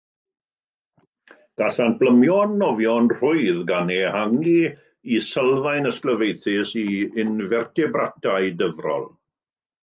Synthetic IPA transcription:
ɡ̥aɬanb̥ləmjɔnːɔvjɔnr̥ʊɨðɡanɛhaŋi | isəlˠvajnəskləvejθɪsiɪnvɛrtʰɛbratʰaɨdəvrɔ̰lˠ

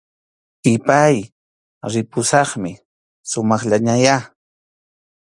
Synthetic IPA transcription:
pɪpaj | ɾɪpʊsɑχmɪ | sʊmɑχʎaɲaja

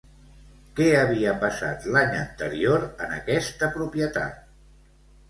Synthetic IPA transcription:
kɛəβiəpəsa̰t̪laɲə̰nt̪əɾioɾənə̰kɛst̪əpɾupjət̪a̰t̪̚

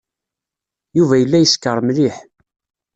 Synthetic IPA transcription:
juvæjəlːæjəskːəɾˤmliħ

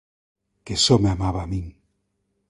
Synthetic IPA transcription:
kesomeamaβamĩŋ

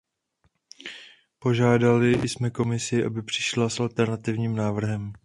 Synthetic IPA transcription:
po̞ʒaːdalɪjsmɛko̞mɪsɪʔa̰bɪpr̥ɪ̥ʃlasʔalt̪ɛɾnat̪ɪvɲiːmnaːvr̩ɦɛm

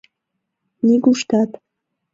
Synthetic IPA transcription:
niɡuʂt̪ʰat̪

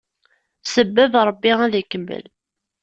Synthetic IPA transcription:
səbːæðɾˤəbːiæðækːəmːə̰l

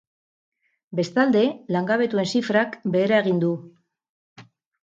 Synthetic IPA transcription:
be̞st̪ald̪e̞laŋɡaβ̞e̞t̪ue̞nsifɾakbe̞ːɾae̞ɣind̪u

